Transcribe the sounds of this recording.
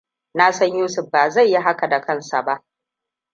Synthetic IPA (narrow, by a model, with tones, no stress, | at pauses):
na˦sɐ˦ɲjuː˦sʊ˨ɸbaː˨za˦˨jːi˦ɦa˦ka˨da˨kɐ˦˨nsa̰˨ba˦ʔ